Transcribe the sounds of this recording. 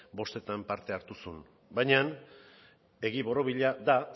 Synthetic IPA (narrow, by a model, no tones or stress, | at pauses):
bo̞st̪e̞t̪ampaɾt̪e̞aɾt̪usun | bajɲan | e̞ɣiβo̞ɾo̞βiʎaða